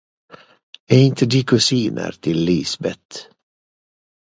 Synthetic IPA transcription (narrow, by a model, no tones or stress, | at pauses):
ɛːɪnt̪ʰəd̪iːkʰʉsiːnʔə̰ɾt̪ʰɪlːiːsbɛt̪